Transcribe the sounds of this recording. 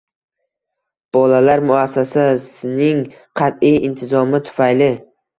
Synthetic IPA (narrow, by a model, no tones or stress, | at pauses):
b̥ɒlalaɾmʊasːasasɪnɪŋ | qʰɑt̪ijɪnt̪ʰɪzɒmɪt̪ʰʊ̥fajlɪ